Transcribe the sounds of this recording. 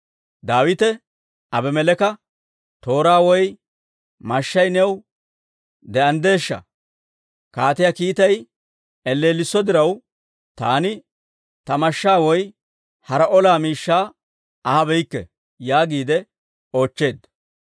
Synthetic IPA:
d̪aːwɪt̪ɛ | ɐbɛmɛlɛkɐ | t̪o̞ːɾaːwɔj | mɐʃːɐjnɛw | d̪ɛɐnd̪e̞ːʃːɐ̰ | kaːt̪ɪjakiːt̪ɐj | ɛlːe̞ːlːɪsːɔd̪ɪɾɐw | t̪a̰ːnɪ | t̪ɐmɐʃːaːwɔj | hɐɾɐʔɔlaːmiːʃːaː | ɐhɐbɛjɪkːɛ̰ | jaːɡiːd̪ɛ | o̞ːt͡ʃːe̞ːd̪ːɐ

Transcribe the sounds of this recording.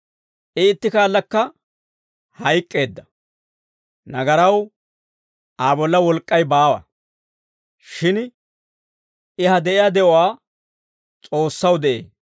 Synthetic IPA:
ʔɪːt̪ːɪkaːlːɐkːɐ | hɐjkʼːe̞ːd̪ːɐ | nɐɡɐɾɐw | aːbɔlːɐwɔlkʼːɐjbaːwɐ̰ | ʃɪn | ɪɦɐd̪ɛʔɪjad̪ɛʔɔwaː | t͡sʼo̞ːsːɐwd̪ɛʔḛː

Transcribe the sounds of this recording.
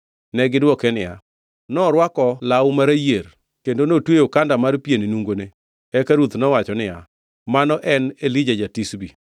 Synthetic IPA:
nɛɡɪdwɔkɛnɪja̰ | nɔɾwakɔlawmaɾajeɾ | kendonotwejokandamarpjennuŋɡone | ɛkaɾut̪nɔwat͡ʃɔnɪja | manɔʔɛnelid͡ʒad͡ʒatisbi

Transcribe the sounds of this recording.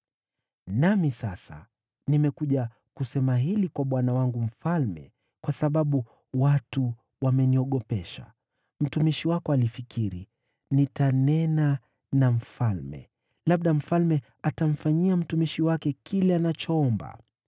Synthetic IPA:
namisasa̰ | nimɛkuʄa | kusɛmaɦilikwaɓwanawaŋɡum̩falmɛ̰ | kwasaɓaɓu | watu | wamɛniɔɠɔpɛʃa̰ | m̩tumiʃiwakɔalifikʰiɾi | nitanɛna | nam̩falmɛ̰ | laɓ̚ɗam̩falmɛ | atam̩faɲiam̩tumiʃiwakɛkilɛanat͡ʃɔɔmba̰

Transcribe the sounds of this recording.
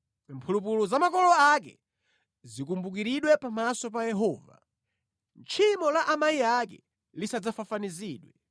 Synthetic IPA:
mpʰulup̬ulɔzamakɔlɔakɛ̰ | zik̬umbuk̬iɾiɗwɛpamasɔpajɛɦɔːva̰ | nt͡ʃʰimɔlaʔamaiakɛ̰ | lisad͡zafafaniziːɗwɛ

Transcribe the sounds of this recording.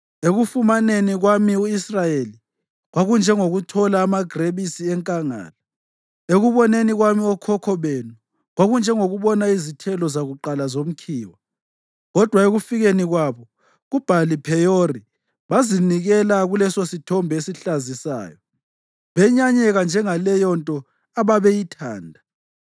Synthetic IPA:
eɣufumaneniɣwamiuisrajeli | ɣwaɣund͡ʒʱɛŋoɣutʰɔlaːmaɡ̥reβisiɛŋkʼaŋa̰ːla | eɣuβɔneniɣwamiɔkʰɔkʰɔβenu | ɣwaɣund͡ʒʱɛŋoɣuβɔnaizitʰɛlɔzaɣuǃalazom̩kʰiːwa | ɣɔd̥ʱwaeɣufiɣeniɣwaβɔ | ɣub̥ʱalipʰɛjori | βaziniɣɛlaɣulɛsositʰɔmbʱesiɬazisa̰ːjɔ | βɛɲaɲɛɣand͡ʒʱɛŋalɛjɔntʼɔ | aβaβejitʰa̰ːndʱa

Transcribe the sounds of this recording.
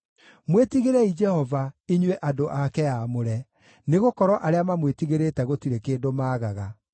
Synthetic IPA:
mwetiɣeɾɛid͡ʒɛhɔvaiɲwɛʔadoʔakɛjamoɾɛ | neɣokɔɾɔʔaɾeamamwetiɣeɾetɛɣotiɾekeːdomaːɣaɣa

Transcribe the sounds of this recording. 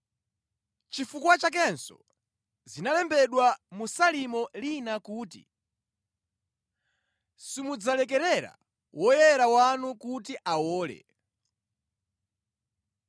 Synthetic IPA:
t͡ʃifukwat͡ʃak̬ɛnsɔ̰ | zinalɛmbɛɗwamusalimɔlinakuːtḭ | simud͡zalɛkɛɾɛɾa̰ | wɔjɛɾawanukut̬iʔawɔːlɛ̰

